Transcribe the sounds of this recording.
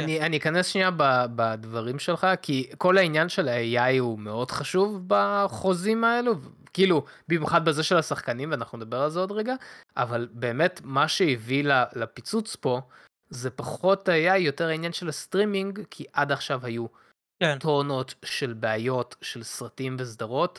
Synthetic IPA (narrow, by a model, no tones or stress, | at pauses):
anianiːkane̞sʃniababad̪vaʁimʃe̞lχakiko̞lainjanʃe̞lajajhume̞o̞dχaʃuvbaχo̞zimaeluv | kiːlu | bimjuχad̪̚bezeʃe̞lasaχkanimveanaχnuned̪abe̞ʁalzeod̪ʁeɡaʔa̰valbe̞ːme̞tmaʃeivilalapit͡sut͡spo̞ | ze̞paχo̞thajajo̞teʁainjanʃelastʁimiŋɡkʰiʔad̪aχʃavhaju | tono̞tʃe̞lbeajo̞tʃe̞lsʁatimvesd̪aʁo̞t